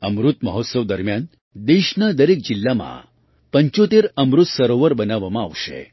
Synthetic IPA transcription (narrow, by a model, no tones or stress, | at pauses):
əmɾut̪məɦɔt̪səʋd̪əɾmjan | d̪eʃnad̪əɾek̚d͡ʒɪlːamã̰ | pəɲt͡ʃot̪eɾəmɾut̪səɾoʋəɾbənaʋamãaʋʃḛ